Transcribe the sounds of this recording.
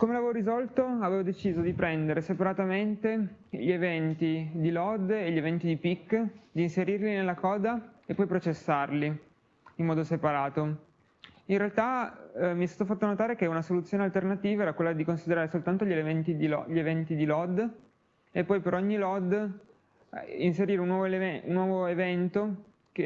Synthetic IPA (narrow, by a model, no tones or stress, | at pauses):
komelaveːvoɾizɔlt̪oaveːvod̪et͡ʃiːzod̪ipɾɛnd̪eɾesepaɾat̪ament̪e | ʎievɛnt̪id̪ilɔd̪eʎːievɛnt̪id̪ipikːd̪iːnseɾirlinelːakɔːd̪aepːɔjpɾot͡ʃesːarli | imːɔːd̪osepaɾaːt̪o | inrealt̪amiɛst̪aːt̪ofat̪ːonot̪aːɾek̟eunasolut̪sːjoːnealt̪ernat̪iːvaɛɾakwelːad̪ikonsid̪eɾaːɾesolt̪ant̪oʎeleent̪id̪iʎievɛnt̪id̪ilɔd̪ | epːɔjpeɾɔɲːilɔd̪ | inseɾiːɾeunːwɔːvoleunːwɔːvoevɛnt̪o | ke